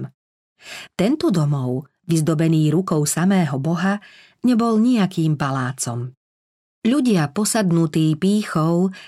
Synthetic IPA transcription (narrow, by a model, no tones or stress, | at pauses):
t̪ɛnt̪ɔd̪ɔmɔʊ | ʋizd̪ɔbɛniːɾukɔʊsamɛːɦɔbɔɦa | ɲɛbɔlɲiakiːmpalaːt͡sɔ̰m | ʎuɟɪapɔsad̪nut̪iːpiːxɔʊ